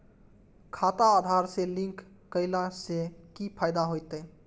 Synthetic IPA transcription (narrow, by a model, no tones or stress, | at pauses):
kʰat̪aːd̪ʱaɾselĩŋkː | əɪlasekipʰajd̪aɦojt̪ə